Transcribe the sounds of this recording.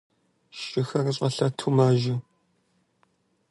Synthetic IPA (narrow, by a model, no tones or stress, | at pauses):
ʃɪxɐrɨɕʼɐɬɐtʰumaːʒɪ